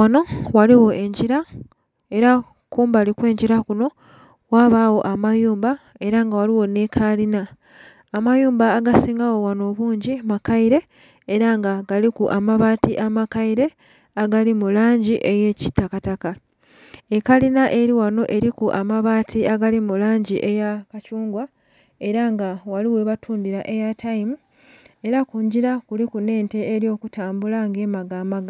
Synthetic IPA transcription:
wano̞waliwo̞ʔe̞ɲɟiɾa | e̞ɾa | kuːmbalikwe̞ːɲɟiɾakuno̞ | waβawo̞ʔamajuːmba | e̞ɾaŋɡawaliwo̞nekʰalinaː | majuːmbaːɡasiːŋɡawo̞wano̞βuːɲɟimakaiɾe̞ː | ɾaŋɡaɡalikuʔamaβaːtiʔamakaiɾe̞ | aɡalimulaːɲɟiʔe̞jeːci̥tːakataka | ekalinaʔeɾiwano̞ʔe̞ɾikuʔamaβaːtiaɡalimulaːɲɟiʔejakacuːŋɡwa | e̞ɾaŋɡawaliwe̞βatʰuːndiɾaʔe̞jatʰaimu | e̞ɾakuːɲɟiɾakulikune̞ːnte̞ːɾjo̞ːkutʰaːmbulaŋɡe̞ːmaɡaːmaɡa

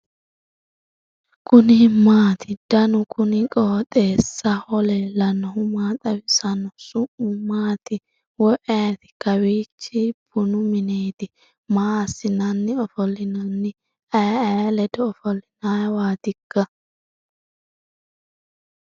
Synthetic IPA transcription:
kʰʊnɪmaːt̪ʰɪd̪̥ɐnʊkʰʊnɪkʼoːt̪ʼeːsːɐhɔlɛlɐnɔhʊmaːt̪ʼɐwɪsɐnɔsʊʔʊmaːt̪ɪ | wɔʔɛːt̪ɪ̥kɐwiːt͡ʃːɪb̥ʊnʊmɪnejt̪ɪ | maːsːɪnɐnːɪɔfɔlːɪnɐnːɪ | ɐjɐlɛd̪ɔɔfɔlːɪnajwaːd̪ɪɡ̥ːɐ

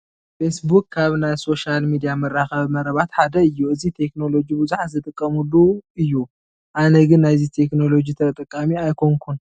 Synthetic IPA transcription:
fesbukːʰaβnajso̞ʃalmid̪ijamɐɾːaxɐβmɐɾɐβat̪ħad̪ɐɨjːuɨzit̪ʰe̞kno̞lo̞d͡ʒibɨzuħat̪zɨt̪ʼɨkʼːɐmulːuɨjːu | ʔanɐɡɨnːajzit̪ʰe̞kno̞lo̞d͡ʒit̪ʰɐt̪ʼɨkʼːamiajkʰoŋkʰun

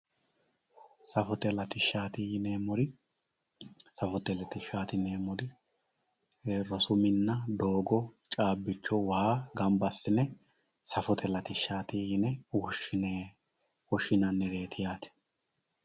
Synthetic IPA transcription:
sɐfɔt̪ɛlɐt̪ɪʃːaːt̪ɪjɪneːmɔɾɪ | sɐfɔt̪ɛlɛt̪ɪʃːaːt̪ɪneːmɔɾɪ | heːrːɔsʊmɪnːɐd̪o̞ːɡɔt͡ʃʼaːbːɪt͡ʃːɔwhaːɡɐmbɐsːɪnɛ | sɐfɔt̪ʰɛlɐt̪ɪʃːaːt̪ɪjɪnɛwɔʃɪne | wɔʃɪnɐnːɛɾeːt̪ʰɪjaːt̪ɛ̥

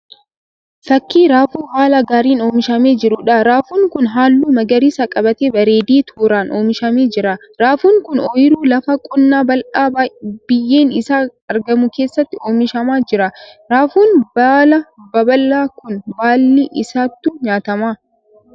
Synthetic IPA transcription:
fɐkːiːɾaːfuːɦaːlɐɡaːɾiːno̞ːmɪʃɐme̞ːd͡ʒɪɾʊᶑɐɾaːfuːŋkʊnɦaːlːuːmɐɡɐɾiːsɐkʼɐbɐt̪eːbɐɾe̞ːd̪iːt̪ʰuːɾaːnʔo̞ːmɪʃɐmeːd͡ʒɪɾɐ | ɾaːfuːŋkʊnoːjɪɾuːlɐfɐkʼʊnːaːbɐlʔaːbb̥ɪjːe̞ːnɪsaːɐɾɡɐmʊke̞ːsːɐt̪ːɪoːmɪʃɐmaːd͡ʒɪɾɐɾaːfuːnbaːlɐbɐbɐlːaːkʊnbaːlːiʔɪsaːt̪ːuɲaːt̪ɐmaː

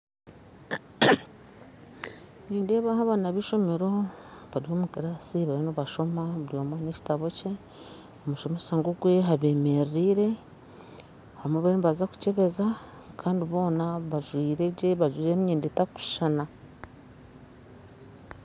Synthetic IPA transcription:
ɲiːndeβahaβaːnaβiʃo̞me̞ɾo̞βaɾihoːmukiɾasiβaɾinoβaʃo̞maβuɾjoːmwaneci̥taβo̞ce̞ | omuʃo̞mesaŋɡuɡwe̞ɦaβemeɾiːɾe̞ | hamweβainβazaku̥ceβe̞za | kʰaːndiβo̞ːnaβaʒwiːɾeɟeβaʒwiːɾemɲiːnditaku̥ʃʃana

